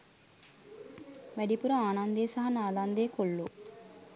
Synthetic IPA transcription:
ʋæɖipuɾəaːnand̪ejːsaɦɐnaːland̪ejːkolːu

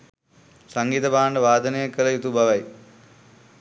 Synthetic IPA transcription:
sɐŋɡiːt̪ɐbaːɳɖɐʋaːd̪ɐnɐjɐkːɐlɐjut̪ubʱɐʋɐj

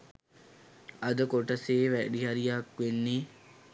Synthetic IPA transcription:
ɐd̪əkoʈəseːʋæɖiɦɐɾijakʋenːiː

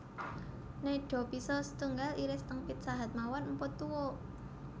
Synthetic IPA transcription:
neɖ̥ɔ̤pisɔsət̪uŋɡaliɾɪst̪əŋpɪt̪̚saɦat̪̚mawɔnmpʊt̪ːuwo

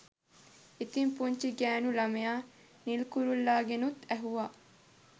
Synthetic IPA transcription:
it̪impuɲt͡ʃiɡæːnulɐmejaː | nilkuɾulːaːɡenut̪æɦuʋa

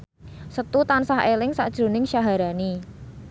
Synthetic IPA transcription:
sət̪ut̪ansaɦelɪŋsa̰d̥ʒ̥ɾṳnɪŋʃaɦaɾani

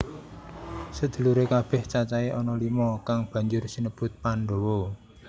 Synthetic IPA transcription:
səd̪̥ṳluɾekab̥ɛ̤ht͡ʃat͡ʃaeʔɔnɔlimɔkaŋb̥ä̤ɲd͡ʒʊrsinəb̥ʊ̤t̪̚paɳɖo̤wo

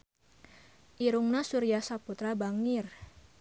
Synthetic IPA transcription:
ʔiɾuŋnasuɾiasaput̪ɾabaŋɪr

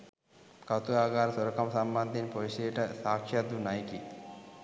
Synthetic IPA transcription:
kɐt̪uaːɡaːɾɐsɐɾɐkɐmɐsɐmbɐnd̪ʱinipoʋʃeːʈɐsaːkʂɐd̪ʋunajiki

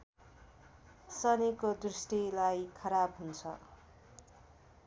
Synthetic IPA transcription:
sʌnekod̪rusʈilajkʰʌɾabɦunt͡sʰʌ̰

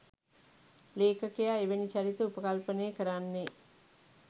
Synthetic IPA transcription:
leːkəkejaeʋenit͡ʃaɾit̪əupəkalpəneːkəɾanːe

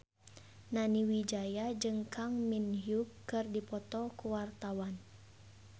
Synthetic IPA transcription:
naniwid͡ʒajad͡ʒɨŋkʰaŋminɦjukːɨrdipɔt̪ɔkuwart̪awan

